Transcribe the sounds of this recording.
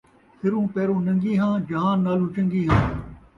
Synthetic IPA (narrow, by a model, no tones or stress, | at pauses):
hʰɪɾũːpeːɾõːnɐ̃ŋɡiːɦãːd͡ʒɐɦãːnaːlũːt͡ʃə̃ŋɡiːɦãː